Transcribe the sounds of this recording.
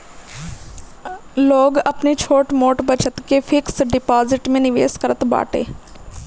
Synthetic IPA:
loːɡɐpnet͡ʃʰoːʈmoːʈbət͡ʃət̪kefʰɪksɖɪpaːzɪʈmẽnɪʋḛːskəɾət̪ba̰ːʈḛː

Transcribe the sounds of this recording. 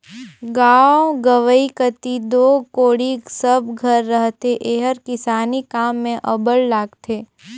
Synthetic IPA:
ɡaːwɡəʋəikət̪id̪oːkoːɽisəbɡʱəɾːəɦt̪eʔeːɦəɾkɪsaːnikaːmːẽʔəbəllaːɡt̪ʰeː

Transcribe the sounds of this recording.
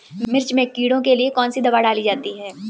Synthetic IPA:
mɪɾt͡ʃmẽkiːɽõkeliekɔːnsid̪ɐbaɖaːlid͡ʒaːt̪iɦɛː

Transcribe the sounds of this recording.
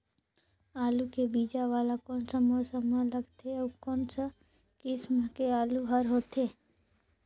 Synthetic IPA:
aːlukebiːd͡ʒaʋaːlakɔːnsəmosəmələɡt̪ʰeɔːkɔːnsa | kɪsməkeaːluɦəɾɦoːt̪ʰeː

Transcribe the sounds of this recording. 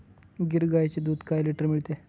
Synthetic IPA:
ɡiɾɡajt͡ɕed̪uːd̪kajliʈəɾmiɭt̪e

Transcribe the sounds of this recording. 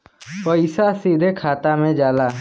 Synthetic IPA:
pəɪsasiːd̪ʱekʰaːt̪amẽd͡ʒaːlaː

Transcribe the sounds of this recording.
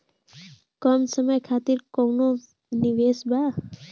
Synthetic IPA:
kɔmsəməjkʰaːt̪iɾkowno | niʋeːsba

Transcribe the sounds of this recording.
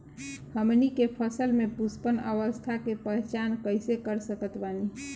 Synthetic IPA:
həmnikepʰəsəlmepuspənəʋəst̪ʰakepəɦɛt͡ʃankəjsekəɾsəkət̪bani

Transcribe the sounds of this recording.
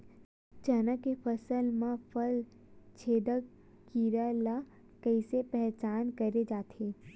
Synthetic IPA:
t͡ʃɐnakepʰɐsəlmãpʰəl | t͡ʃʰeːd̪ə | kiːɾala | kɐɪsepɛɦt͡ʃaːnkɐɾed͡ʒaːt̪ʰeː

